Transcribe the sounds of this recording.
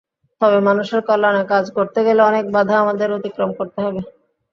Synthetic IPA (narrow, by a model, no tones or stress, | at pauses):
t̪ɔβemanuʃeɾkɔlːanakad͡ʑkoɾt̪eɡeleɔnek̚bad̪ʱaamad̪eɾot̪ikɾomkoɾt̪eɦɔbe